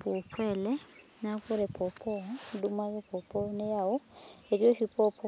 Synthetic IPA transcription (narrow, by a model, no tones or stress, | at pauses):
pɔpʰwɛlɛnakuɾɛpʰɔpʰɔdumaɾɛpɔpʰɔnɛjaɔeɾiɔʃipʰɔpʰɔ